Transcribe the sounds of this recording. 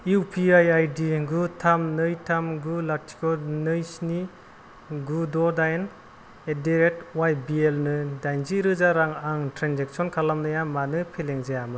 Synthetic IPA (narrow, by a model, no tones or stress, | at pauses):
iwpʰiajajdiɡutʰamnɯjtʰamɡulatʰi̥kɔnɯjsni | ɡudɔdajn | ediɾek̚twajbielnɯdajnziɾɯzaɾaŋaŋtɾanzek̚sɔnkʰalamnɯjamanɯpʰeleŋzajamɯ